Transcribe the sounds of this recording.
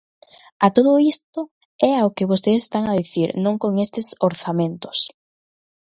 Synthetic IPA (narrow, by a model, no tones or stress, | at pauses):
at̪oð̞ʊist̪ʊ | ɛaokɪβost̪ese̥st̪aŋaðiθiɾnõŋkoŋest̪ɪsoɾθamẽnt̪ʊ̥s